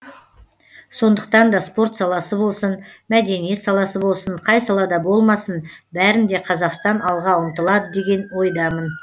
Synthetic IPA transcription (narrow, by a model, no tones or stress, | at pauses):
so̞nd̪əq̚t̪ɑnd̪ɑspo̞ɾt̪sɑlˠɑsəbo̞lˠsənmæd̪e̞nije̞t̪sɑlˠɑsəbo̞lˠsəɴqʰɑjsɑlˠɑd̪ɑbo̞lˠmɑsənbæɾɪnd̪e̞qʰɑzɑqst̪ɑnɑlˠʁɑʊmt̪əlˠɑd̪əd̪e̞ɡʲe̞nwo̞jd̪ɑmən